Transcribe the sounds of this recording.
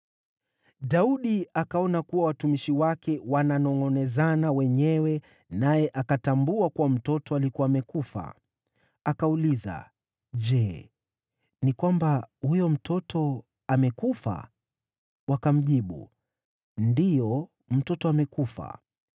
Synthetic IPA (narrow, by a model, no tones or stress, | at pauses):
ɗauɗiakaɔnakuwawatumiʃiwakɛwananɔŋɡɔnɛzanawɛɲɛwɛ | najɛʔakatambuakuwam̩tɔtɔalikuwamɛkufa̰ | akauliza̰ | ʄɛː | nikwambahujɔm̩tʰɔtʰɔ | amɛkufa̰ | wakam̩ʄiɓṵ | ndijɔ | m̩tɔtɔamɛkufa̰